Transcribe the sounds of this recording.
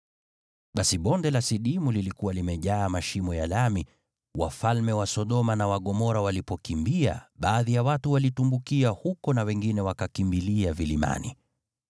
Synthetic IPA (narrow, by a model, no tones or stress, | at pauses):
ɓasiɓɔndɛlasiɗimulilikuwalimɛʄaːmaʃimɔjalami | wa̰falmɛwasɔɗɔmanawaɠɔmɔɾawalipɔkimbia̰ɓaːðijawatuwalitumbukiahukɔnawɛŋɡinɛwakakimbiliavilima̰nḭ